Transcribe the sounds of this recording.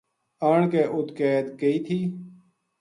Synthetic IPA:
aːɳkeːʔʊt̪keːt̪kəiːt̪ʰiː

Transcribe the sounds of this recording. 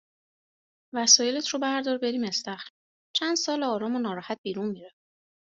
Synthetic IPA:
væsɒːjelet̪ʰɾobæɾd̪ɒːɾbe̞ɾiːmest̪æxɾ | t͡ʃʰænd̪̥sɒːlɒːɾɒːmonɒːɾɒːhæt̪̚b̥iːɾunmiɾæf

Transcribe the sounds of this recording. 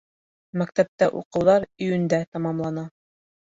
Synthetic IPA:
mækt̪æp̚t̪æʔuqɤ̆wðɑɾɵ̆jɵ̆nd̪æt̪ɑmɑmlˠɑnɑ

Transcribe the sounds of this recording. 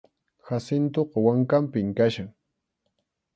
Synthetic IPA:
xasɪnt̪oqɑwaŋkampɪŋkaʃaŋ

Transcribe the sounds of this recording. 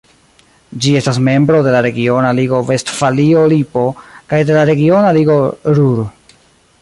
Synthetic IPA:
d͡ʒie̞stasme̞mbɾo̞de̞laɾe̞ɡio̞naliɡo̞ve̞stfalio̞lipo̞kajde̞laɾe̞ɡio̞naliɡo̞ɾuɾ

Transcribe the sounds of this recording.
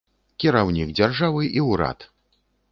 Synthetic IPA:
kʲiɾawnʲikd͡zʲarʐavɨʔiwɾa̰t̪

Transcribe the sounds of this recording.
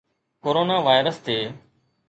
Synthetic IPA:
koːɾoːnaːʋaːɪɾəst̪ʰeː

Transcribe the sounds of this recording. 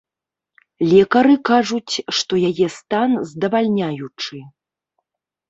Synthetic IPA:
lʲɛkɐɾɨkaʐut͡sʲʂt̪ɔjajɛst̪anzd̪ɐvalʲnʲajut͡ʂɨ

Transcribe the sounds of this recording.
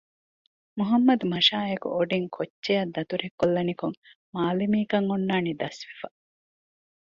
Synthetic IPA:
muɦɐmːɐd̪umɐʃaːekṵʔoɖiŋkʰotːejɐd̪ːɐt̪uɾekːolːɐnikuŋ | maːlimiːkɐŋonːaːnid̪ɐsʋifɐ

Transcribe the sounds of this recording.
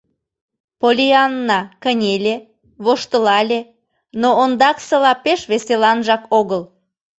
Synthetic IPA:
polʲiɑnːɑkənʲelʲe | βoʃt̪əlɑlʲe | noond̪ɑksə̆lɑpeʃβeselɑnʒɑkoɣəl

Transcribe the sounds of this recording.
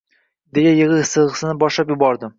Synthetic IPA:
d̪eɡʲajɨʁɨsɨlˠʁɨsɪnɪbɒʃlapjʊbɒɾd̪ɪ

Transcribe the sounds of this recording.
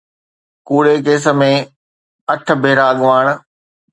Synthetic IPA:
kuːɽek̬eːs̬ə̆mẽ | ɐʈ̆ʰbʱeːɾaɠʋaːɽ̃̆

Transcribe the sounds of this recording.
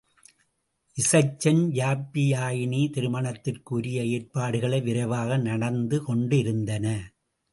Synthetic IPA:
ʔɪsɐɪt͡ʃːɐnjaːpːɪjaːjɪɳiːt̪ɪɾɯmɐɳɐt̪ːɪrkɯʊɾɪjɐeːrpaːɽɯɣɐɭɐɪʋɪɾɐʋaːɣɐnɐɽɐnd̪ɯkɔɳɖɪɾɯnd̪ɐnɐ

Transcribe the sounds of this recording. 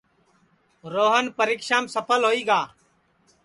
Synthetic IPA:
ɾoːɦənpəɾiːkʃaːmsəpʰəlɦoːiːɡaː

